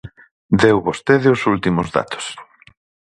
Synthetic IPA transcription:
d̪ewβost̪eðɪosult̪imozða̰t̪o̥s

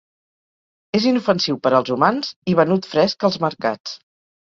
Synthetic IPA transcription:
ezinufənsiwpəɾəlˠzumanziβ̞ənut̪fɾɛskəlˠzməɾka̰t͡s

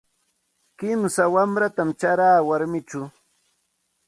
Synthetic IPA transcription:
kɪmsawamɾat̪amt͡ʃaɾaːwaɾmɪt͡ʃʊ

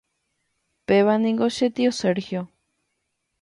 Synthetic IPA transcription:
peβanĩŋɡoʃet̪ioseɾxjo

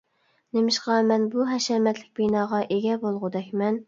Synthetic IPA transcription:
nemɪʃqɑmɛnbuɦɛʃɛmɛt̪lɪk̚ʲbinɑːʁɑʔeɡʲɛbolˠʁʊd̪ɛkʲmɛn

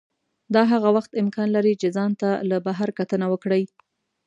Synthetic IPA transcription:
d̪ɑɦaɣawaxt̪ɪmkɑnlaɾit͡ʃezɑnt̪alabaɦaɾkat̪ənawəkɽəj

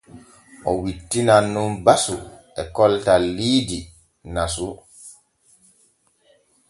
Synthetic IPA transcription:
ʔɔwitːinanːunbasu | ɛkɔltalːiːdi | nasu

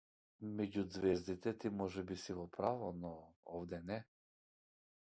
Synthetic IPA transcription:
mɛɟud̪zvɛzd̪it̪ɛt̪imɔʒɛbisiɡɔpɾavɔnɔɔvd̪ɛnɛ

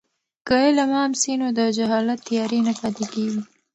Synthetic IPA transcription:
kəelamɑmsinod̪əd͡ʒaɦɑlat̪ːjɑɾenapɑt̪ikewi

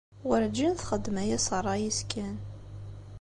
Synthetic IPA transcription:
wəɾd͡ʒːinθχəd̪ːmæjæsərˤːɑjiskæn

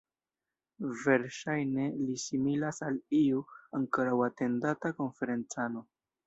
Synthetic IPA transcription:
ve̞ɾʃajne̞lisimilasaliuaŋkoɾawate̞ndatako̞nfe̞ɾe̞nt͡sano̞

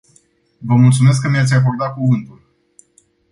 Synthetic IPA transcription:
vəmult̪sume̞s̬kːəmijat̪sʲak̬ord̪at̪̚kuvɨnt̪ul

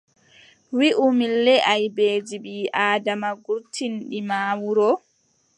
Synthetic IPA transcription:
wiʔumilːɛʔajbeːd͡ʒiɓiːʔaːdamaɡuɾtʰinɗimaːwuɾɔ

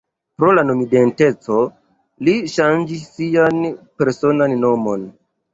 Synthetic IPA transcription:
pɾo̞lanomidente̞t͡so̞ | liʃand͡ʒisːianpe̞ɾso̞nanːo̞mo̞n

